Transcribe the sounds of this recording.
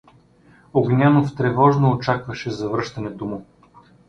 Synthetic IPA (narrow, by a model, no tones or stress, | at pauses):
oɡnʲanoft̪ɾɛvɔʒnoːt͡ʃakvɐʃɛzɐvɾɤʃt̪ɐnɛd̪umo